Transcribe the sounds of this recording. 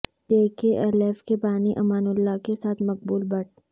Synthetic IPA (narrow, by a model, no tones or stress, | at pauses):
t̪eːkeʔɐleːfkepaːniʔɐmaːnʊlːakesaːt̪ʰmɐq̚buːlbɐɽ